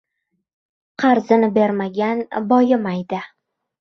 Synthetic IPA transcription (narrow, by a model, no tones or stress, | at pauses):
qʰɑɾzɪnɪbe̞ɾmaɡʲanbɒjɪmajd̪ɪ